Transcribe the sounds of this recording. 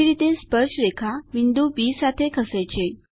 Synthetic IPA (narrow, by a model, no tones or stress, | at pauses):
iɾit̪espəɾɕɾekʰaʋind̪ubisat̪ʰekʰəsəjt͡ɕe